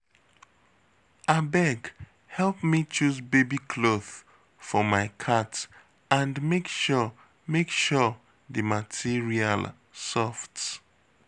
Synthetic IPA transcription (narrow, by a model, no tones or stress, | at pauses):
abɛɡ | hɛlˠpmit͡ʃusbebikʰloθ | fɔmaɪkʰat | ãndmekʃɔ | mekʃɔ | ðɨmatʰiɹia̰l | sɔft